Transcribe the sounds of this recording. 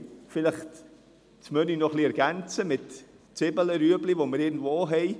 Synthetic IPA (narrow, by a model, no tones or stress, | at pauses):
fɪləχt | t͡smœninɔχliɛɾɡ̥ɛnt͡səmɪt | t͡sɪbələɾyəblivoməɾɪːɡn̩dvoːɦɛɪ